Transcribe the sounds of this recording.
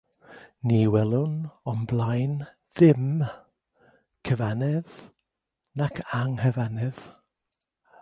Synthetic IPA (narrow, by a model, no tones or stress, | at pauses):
niwɛlˠʊnɔmblˠajn | ðɪm | kʰəvanɛð | nakʰaŋhəvanɪð̥